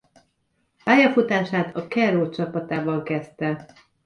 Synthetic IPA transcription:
paːjɒfut̪aːʃaːt̪ʰɒkɛroːt͡ʃɒpɒt̪aːbɒŋkɛst̪ɛ

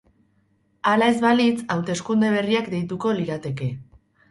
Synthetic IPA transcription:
alae̞zβalit͡sawt̪e̞skund̪e̞β̞e̞riakd̪e̞jt̪uko̞liɾat̪e̞ke̞

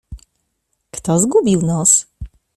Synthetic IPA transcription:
kt̪ɔzɡubʲiwnɔs

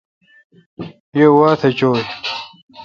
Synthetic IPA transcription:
jewaːt̪ʰet͡ɕoːj

